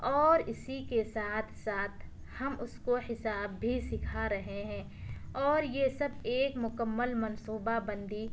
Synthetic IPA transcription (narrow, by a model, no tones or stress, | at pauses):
ɔːɾɪsikesaːt̪ʰsaːt̪ʰ | hɐmʊskohɪsaːbːʱisɪkʰaɾɐɦeɦɛ̃ː | ɔːɾjesɐbeːkmʊkəmːəlmɐnsuːbabɐ̃nd̪i